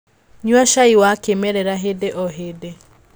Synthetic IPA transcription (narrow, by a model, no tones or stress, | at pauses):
ɲwaʃaiwakemɛɾɛɾaɦedeʔɔɦede